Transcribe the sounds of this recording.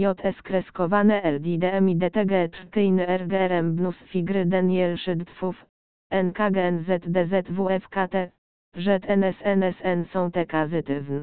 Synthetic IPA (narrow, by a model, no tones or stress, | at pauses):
jɔt̪ʰɛskɾɛskɔvanɛʔɛld̪id̪ɛɛmid̪ɛt̪ɛɡɛt̪ɾt̪ɘjnɘɛɾɡɛɛɾɛmbnusfʲiɡɾɘd̪anjɛlʂɘd̪t̪fuf | ɛnkaɡɛɛnzɛt̪d̪ɛzɛt̪vuɛfkat̪ɛ | ʐɛt̪ɛnɛsɛnɛsɛnsɔ̃w̃t̪ɛkazɘt̪ɘvn